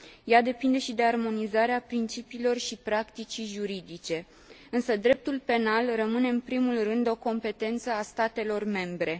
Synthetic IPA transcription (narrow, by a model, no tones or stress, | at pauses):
jad̪e̞pind̪e̞ʃid̪e̞armo̞nizaɾeapɾint͡ʃipiːlo̞rʃipɾakt̪it͡ʃiʒuɾid̪it͡ʃe̞ | ɨnsəd̪ɾe̞p̚t̪ulpe̞nalrəmɨne̞ɨnpɾimulrɨnd̪o̞ko̞mpe̞t̪e̞nt̪səast̪at̪e̞lo̞rme̞mbɾe̞